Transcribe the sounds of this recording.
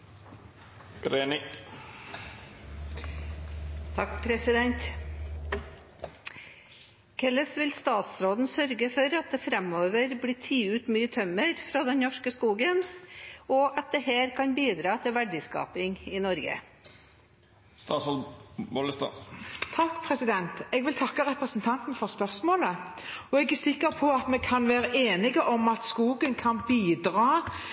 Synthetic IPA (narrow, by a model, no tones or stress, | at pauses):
ɾeːnɪ | t̪ʰɑkpʰɾɛsɪd̪ɛnt̪ | kʰɛləsʋɪlst̪ɑːt̪sɾoːd̪n̩sœɾɡəfɔɾɑt̪̚d̪ɛːfɾɛmoːʋəɾbliːt̪ʰiːʉːt̪myːət̪ʰœməɾfɾoːd̪ɛnnɔʂkəskuːɡən | ɔʔɑt̪̚d̪ɛheːɾkʰɑnbiːd̪ɾɑːt̪ʰɪlʋæɖɪskɑ̰ːpɪŋɪnɔɾɡə̰ | st̪ɑːsɔlboləst̪ɑ̰t̪ʰɑkːpʰʁɛsɪd̪ɛnt̪ɛɡʋɪlt̪ʰɑkːəʁɛpʁəsənt̪ʰɑnt̪n̩fɔʁspœʁsmoːləɔɛɡæsɪkːəʁpʰɔɑt̪mɛkʰɑnʋæːɾəʔeːnɪɡəʔɔmɑt̪skuːɡənkʰɑnbiːd̪ɾɑː